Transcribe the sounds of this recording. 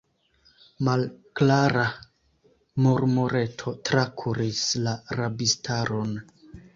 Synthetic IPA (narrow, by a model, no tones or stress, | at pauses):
malklaɾa | moɾmoɾe̞tʰo̞tɾakʰuɾislaɾabistʰaɾo̞n